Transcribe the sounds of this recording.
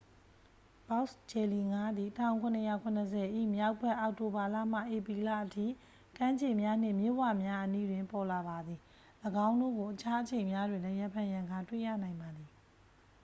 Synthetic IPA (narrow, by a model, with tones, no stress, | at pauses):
b̥a˦st͡ɕɛ˨li˨ŋa˦d̪ði˨tʰã˦˨ʊ̃kʰʊ̃˨nəja̰˦˨kʰʊ̃˨nəs̬ʰɛ˨ʔḭ˦˨mja˦ʊpʰːɛ˦˨ʔa˨ʊʔto˨ba˨la̰˦˨m̥a̰˦˨ʔe˨pɹi˨la̰˦˨ʔətʰḭ˦˨ | kã˦ɲd͡ʑẽ˨mja˦n̥ɪ̰̃˦˨mjo̰˦˨wa˨mja˦ʔənḭ˦˨dwɪ̃˨mpɔ˨la˨ba˨d̪ði˨ | ləɡã˦ʊ̃ndo̰˦˨ɡo˨ʔət͡ɕʰa˦ʔət͡ɕʰẽ˨ɪ̃mja˦dwɪ̃˨lɛ˦ja˦pʰã˨jã˨ŋɡa˦˨twḛ˦˨jä̰˦˨nã˨ɪ̃mba˨d̪i˨